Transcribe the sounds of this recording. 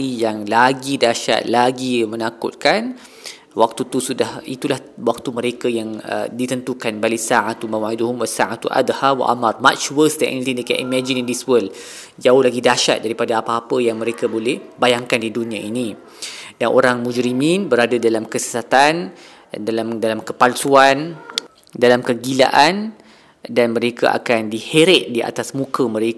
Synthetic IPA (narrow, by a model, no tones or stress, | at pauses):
ijaŋlaɡidaʃa̰t̪̚laɡimənakʊ̰t̪̚kan | wak̚t̪ut̪usudahit̪ulah | wak̚t̪uməɾekajaŋə̰dit̪ənt̪ukanbalisaʕat̪umãwaiduhʊmwasaʕat̪uʔa̰d̪hawa̰ʔa̰mãrma̰t͡ʃwəsdɛʔɛ̰nit̪ĩndekɛnimɛ̃d͡ʒinĩndiswəld͡ʒaʊhlaɡidaʃa̰t̪̚daɾipadaapaːpəjaŋmə̃ɾekabolɛhbajaŋkandidunĩãʔinĩ | danʔo̰ɾaŋmũd͡ʒɾimĩnbəɾadadalamkəsə̥sat̪an | dalamdalamkəpalsuan | dalamkəɡila̰ʔan | danmə̃ɾeka̰ʔa̰kandiheɾɛt̪̚diʔa̰t̪asmũkəmə̃ɾek